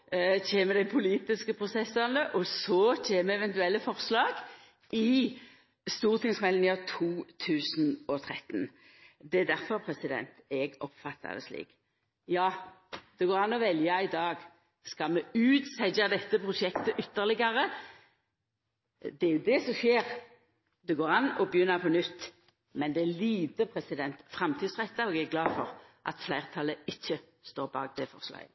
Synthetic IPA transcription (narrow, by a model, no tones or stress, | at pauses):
t͡ʃeːməd̪æɪpʰʊliːt̪ɪskəpʰʁʊsɛsɑnəʔɔsɔt͡ʃeːməɛʋɛnt̪ʉɛlːəfɔʁslɑːɡ | ʔɪ | st̪uːʁt̪ʰɪŋsmɛlnɪət̪ʰuːt̪ʰʉːsnɔt̪ʰʁɛt̪ːn | d̪ɛæd̪æʁfɔʁpʰʁɛsɪd̪ɛ̰nt̪ɛɡɔpfɑt̪ʰːɑ̰d̪ɛ̰slḭːk | jɑːd̪̥ɛɡoːʁɑnːɔʋɛljɑɪd̪ɑːɡ | skɑlmɛʉːt̪sæd͡ʒɑd̪ɛt̪ːəpʰʁʊʂɛkt̪əʔʏt̪ːəʁlɪɡɑʁə | d̪ɛæɾjʊd̪ɛsɔʃeːʁ | d̪ɛɡoːʁɑnːɔbəjʏnːəpʰɔnʏt̪ː | mɛnd̪ɛæliːt̪əpʰɾɛsɪd̪ɛnt̪fɾɑmt̪ʰiːd̪sʁɛt̪ːɑɔɡɛɡlɑːfɔʁʔɑ̰t̪flæɪʁt̪ʰɑləɪçːə | st̪oːʁbɑ̰ːk̚d̪ɛfɔ̰ʁslɑ̰ɪə